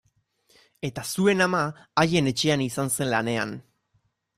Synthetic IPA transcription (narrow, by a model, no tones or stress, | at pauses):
e̞t̪asue̞namaːje̞ne̞t͡ʃe̞anisanse̞nlane̞a̰n